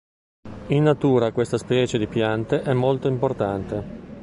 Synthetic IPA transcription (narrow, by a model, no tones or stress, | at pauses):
inːat̪uːɾakwest̪aspɛːt͡ʃed̪ipjant̪eʔɛmːolt̪oimport̪ant̪e